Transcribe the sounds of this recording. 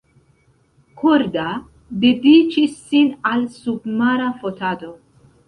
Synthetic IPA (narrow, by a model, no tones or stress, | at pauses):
kʰoɾd̪a | bibit͡ʃʰisinalsupmaɾafot̪ʰad̪o